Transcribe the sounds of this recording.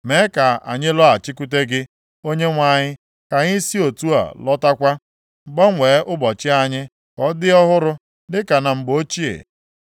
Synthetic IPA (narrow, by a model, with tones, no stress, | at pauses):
me˨˦ka˨a̰˨ɲɪ˦lɔ˦a˨t͡ʃɪ˦ku˦t̬e˦ɡɪ˦ | o˦ɲe˦ŋʷa˦˨ɲɪ˦ | ka˨ɲɪ˦si˦o˨tu˦a̰˨lɔ˦ta˦kʷa˦ | ŋ͡m̩˨ɡ͡bɔ˦ŋʷeː˨˦ʔʊ˦bɔ˨t͡ʃɪ˦a˦ɲɪ˦ | kɔ˦dɪ˦ɔ˦ɦʊ˦ɾʊ˦ | dɪ˦ka˨na˨ŋ͡m̩˨ɡ͡bo˦t͡ʃi˦ḛ˨